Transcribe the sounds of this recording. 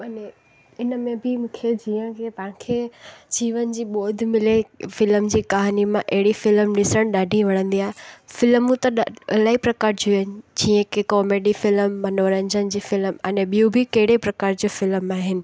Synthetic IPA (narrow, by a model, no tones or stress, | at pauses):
mɐne | ɪnəmẽbɪmũːkʰed͡ʑiːə̃kepɐ̃ɪ̃kʰed͡ʑiːʋənɪ̆d͡ʑiːɓɔːd̪ʱmɪlefɪləmd͡ʑiːkaːɦnimãʔɐɦɪɽifɪlmɗɪsəɽ̃ɗaːɖʱĩʋɐɽ̃ə̃nd̪iaːɦefɪlmũt̪ɐɗɐlaːipɾɐkaːɾd͡ʑʰuɪnɪ̆d͡ʑiːə̃kekɔːmeːɖifɪlmːɐnoːɾə̃ɲd͡ʑənɪd͡ʑiːfɪlmɛ̃ːnɛɓiũbʱɪkɐɦɪɽepɾɐkaːɾd͡ʑoːfɪlmaːɦɪnɪ̆